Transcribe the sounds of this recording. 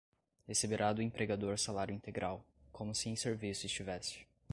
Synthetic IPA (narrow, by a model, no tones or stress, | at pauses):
hesebeɾad̪ʊẽpɾeɡad̪oɾsalaɾjʊĩnt̪eɡɾʔaw | kʰõmʊsɪẽj̃seɾvisʊɪst͡ʃivɛsɪ̥